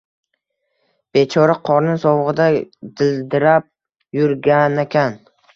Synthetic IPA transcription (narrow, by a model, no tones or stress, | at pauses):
b̥et͡ʃʰɒɾaqʰɒɾnɪŋsɒwʁɨd̪ad̪ɪld̪ɪɾap̚ | jʊɾɡʲanekʲan